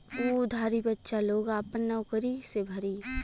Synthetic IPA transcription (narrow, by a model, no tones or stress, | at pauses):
uːd̪ʱaːɾibətːʃaloːɡaːpənːɐʊkəɾisebʱɐɾiː